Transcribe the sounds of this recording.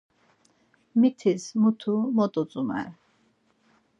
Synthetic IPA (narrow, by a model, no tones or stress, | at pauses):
mit̪ʰismut̪ʰumɔt̪ʼut͡sʼumɛ̰ɾ